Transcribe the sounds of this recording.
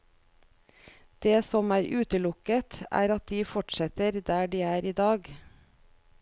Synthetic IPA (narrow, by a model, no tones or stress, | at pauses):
d̪̥eːsɔmæːɾʔʉːt̪əlʊkət̪æ̰ːɾɑt̪̚d̪iːfɔʈsɛt̪əɾd̪æːɖiːæːɾiːd̪ɑːɡ